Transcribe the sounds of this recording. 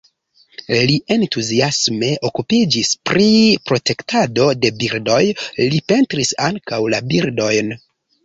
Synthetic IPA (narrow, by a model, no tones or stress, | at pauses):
liʔe̞ntuziasme̞ʔo̞kupid͡ʒispɾipɾo̞te̞ktado̞de̞biɾdo̞jlipe̞ntɾisaŋkawlabiɾdo̞jn